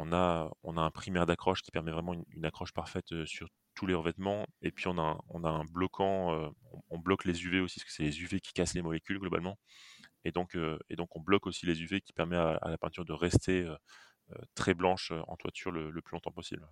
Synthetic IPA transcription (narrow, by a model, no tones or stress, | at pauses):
ɔ̃naø̰ɔ̰̃naɛ̃pχimɛʁd̪akχɔʃkʲi̥pɛʁmɛvʁɛmɑ̃yny̰nakχɔʃpaʁfɛt̪øsyʁ | t̪ʰuleʁəvɛt̪mɑ̃epɥiɔ̃nãɔ̰̃naɛ̃blɔkʰɑ̃øɔ̰̃ɔ̃blɔklezyveosi̥sə̥kə̥sɛlezyvekʲi̥kaslemɔlekʲylɡlɔba̰lmɑ̃ed̪ɔ̃køḛd̪ɔ̃kɔ̃blɔkosilezyvekʲi̥pɛʁmɛaa̰lapɛ̃t̪yʁd̪əʁɛst̪ʰeø | ø̰t̪χɛblɑ̃ʃøɑ̰̃t̪wa̰t̪ʰyʁlələplylɔ̃t̪ɑ̃pɔsḭbl